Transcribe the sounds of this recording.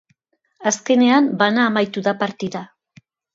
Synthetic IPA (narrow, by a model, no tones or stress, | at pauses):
aske̞ne̞ambanaːmajt̪uðapaɾt̪iða